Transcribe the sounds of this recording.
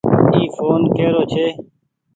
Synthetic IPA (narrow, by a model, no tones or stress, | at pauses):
iːfoːnkeːɾoːt͡ʃʰeː